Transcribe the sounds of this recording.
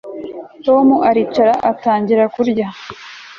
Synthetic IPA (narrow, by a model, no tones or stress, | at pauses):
to̞ːmuʔaɾit͡ʃaɾaʔataːɲɟiɾakuɾɟa